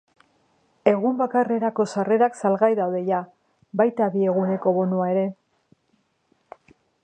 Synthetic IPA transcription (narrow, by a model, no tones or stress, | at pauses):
e̞ɣumbakare̞ɾako̞sare̞ɾaksalɣajðawðe̞ja | bajt̪aβie̞ɣune̞ko̞βo̞nuae̞ɾe̞